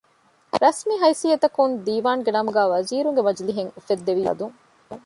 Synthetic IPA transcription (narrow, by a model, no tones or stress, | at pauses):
ɾɐsmiɦɐjsiɐt̪ɐkund̪iːʋaːŋɡenɐmuɡæːʋɐziːɾuŋɡemɐd͡ʒliɦeŋufed̪ːeʋiɐ̰d̪uŋ